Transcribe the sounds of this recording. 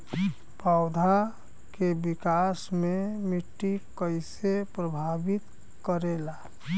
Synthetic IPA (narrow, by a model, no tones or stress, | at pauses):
paʊd̪ʱa | kebɪkasmẽmɪʈːikəɪsepɾəbʱabit̪ | kəɾela